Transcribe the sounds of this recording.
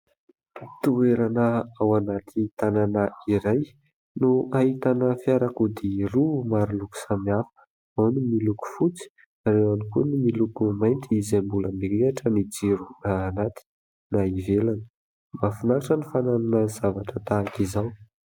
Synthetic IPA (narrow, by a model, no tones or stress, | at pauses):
t̪ueɾanəawanat̪ʰit̪ananəiɾaj | nuaɦit̪anəfiaɾakud̪iɾumaɾiluku̥samiafə̥ | awnimiluku̥fut͡si̥ | aɾewanikunimilukumajnt̪ʰiizambuləmeleaʈ͡ʂənid͡ziɾunaːnat̪i̥ | naivelanə̥ | mbafinaaʈ͡ʂənifananunəz̥avaʈ͡ʂət̪aːkizaw